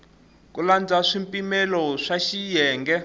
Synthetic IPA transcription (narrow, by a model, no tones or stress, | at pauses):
k̬uland͡zʱaʂimpʼimɛlɔʂaʃijɛːŋɡɛ